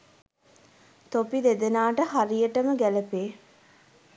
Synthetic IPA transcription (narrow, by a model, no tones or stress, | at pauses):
t̪opid̪ed̪enaːʈəɦaɾijəʈəməɡæləpeː